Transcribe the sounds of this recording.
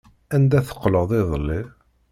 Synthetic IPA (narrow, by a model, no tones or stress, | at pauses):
ænd̪æθə̥qːləðˤɪðˤəlːi